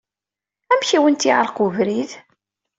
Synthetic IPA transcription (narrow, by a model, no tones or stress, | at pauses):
æmçiwənt̪iʕə̰lqʊvɾið